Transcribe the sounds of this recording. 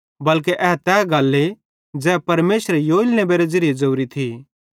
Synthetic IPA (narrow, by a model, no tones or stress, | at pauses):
bɐlk̬eʔɛːɦt̪ɛːɡɐlːe | d͡zɛːpɐɾmeːsɾejoːɪlnebeːɾed͡zɪɾɪed͡zɐuɾit̪ʰi